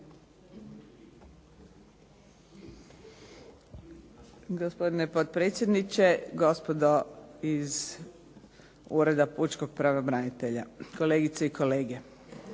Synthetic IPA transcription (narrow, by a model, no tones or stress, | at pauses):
ɡospo̞d̪inepot̪̚pɾet̪sje̞d̪nit͡ɕeɡo̞spod̪oiz | uɾe̞d̪aput͡ʃko̞ɡ̚pɾaʋobɾanit̪e̞ʎakoleːɡit̪seikʰo̞le̞ːɡe